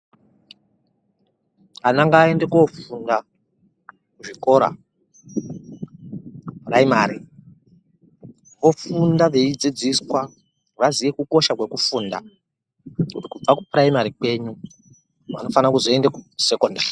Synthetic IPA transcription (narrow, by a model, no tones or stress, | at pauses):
anaŋɡaːe̞ndekofunda | kuʐiko̞ɾa̰ | praimaːɾi | ʋo̞fundaʋe̞id͡zid͡ziswa | ʋaziʋekuko̞ʃakwe̞kufuːnda̰ | kutikub͡vakupraimaɾikwe̞ɲu | ʋa̰no̞fanakuzoendekuse̞koːndari